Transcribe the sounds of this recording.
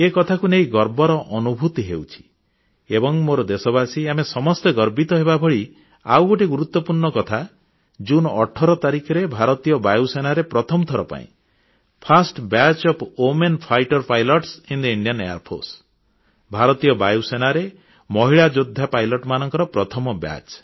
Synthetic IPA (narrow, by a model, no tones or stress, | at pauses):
ekɔt̪ʰakuneiɡɔɾbɔɾɔʔɔnubʱut̪iɦḛwt͡ʃʰi̥ | ebɔŋmoɾɔd̪esɔbasiamesɔmɔst̪eɡɔɾbit̪ɔɦebabʱɔɭi | a̰wɡoʈiɡuɾut̪wɔpuɾɳɔkɔt̪ʰa | d͡ʒunɔʈʰɔɾɔt̪aɾikʰɔɾebʱaɾɔt̪ijɔbajusenaɾepɾɔt̪ʰɔmɔt̪ʰɔɾɔpa̰ḭ̃ | pʰasʈbat͡ʃɔpʰomenpʰajʈɔɾpajlɔʈsind̪iiɳɖijɔnḛja̰ɾpʰo̰ɾs | bʱaɾɔt̪ijɔbajusenaɾe | mɔɦiɭad͡ʒod̪ʱːapajlɔʈmanɔŋkɔɾɔpɾɔt̪ʰɔmɔba̰t͡ʃ